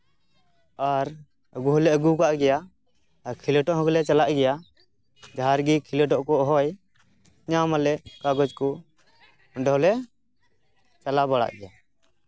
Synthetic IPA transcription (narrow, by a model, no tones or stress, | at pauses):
aɾ | əɡuɦɔlɛʔəɡukaʔɡɛja | kʰiləʈɔʔɦɔ̃ɡlɛt͡ʃalaʔɡɛja | d͡ʒaɦaɾɡikʰilɛʈɔʔkɔɦɔj | ɲamalɛʔkaɡɔd͡ʒkɔ | ɖɔɦlɛ | t͡ʃalabaɽa̰ʔɡɛja